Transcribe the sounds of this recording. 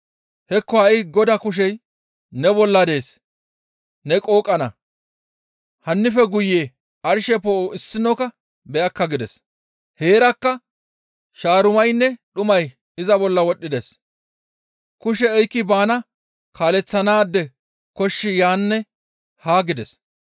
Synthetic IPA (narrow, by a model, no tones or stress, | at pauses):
hɛkːɔɐɪɡɔd̪ɐkʊʃ̬ɛj | nɛbɔlːɐd̪e̞ːs | nɛkʼo̞ːkʼːɐnɐ | hɐnːɪfɛɡʊjːeː | ɐɾʃɛpːoɪsːɪnɔkɐ | bɛʔɐkːɐɡɪd̪ɛs | he̞ːɾɐkːɐ | ʃaːɾʊmɐjnːɛɗʊmɐj | ɪzɐbɔlːɐwɔɗːɪd̪ɛs | kʊʃ̬ɛɛjkːɪbaːnɐ | kʰaːlɛt͡sːɐnaːd̪ːɛ | kɔʃːɪjaːnːɛ | haːɡɪd̪ɛs